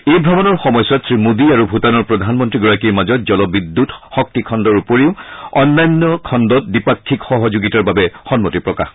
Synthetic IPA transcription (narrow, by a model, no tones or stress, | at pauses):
ejbʱɹabɔnɔɹxɔmɔjsatsɹimodiaɹubʱutanɔɹpɹɔdʱanmɔntɹiɡɔɹakiɹmazɔt̚zɔlɔbid̪ːutxɔk̚tikʰɔndɔɹupoɹiʊɔnːajnːɔkʰɔndɔt̚dipakʰːikxɔɦɔzuɡitaɹbabɛxɔnmotipɹɔkax